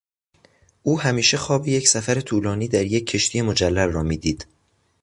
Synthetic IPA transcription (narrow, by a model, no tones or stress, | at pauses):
ʔuːhæmiːʃe̞xɒːbiːje̞csæfæɾe̞t̪ʰuːlɒːniːd̪æɾjecʰːe̞ʃt̪ʰije̞mo̞d͡ʒælːælrɒːmiːd̪iːd̪̥